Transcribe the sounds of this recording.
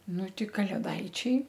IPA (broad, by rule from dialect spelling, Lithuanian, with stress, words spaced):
ˈnʊ ˈtʲɪ kɐlʲeːˈdɐɪt͡ʃʲɛɪ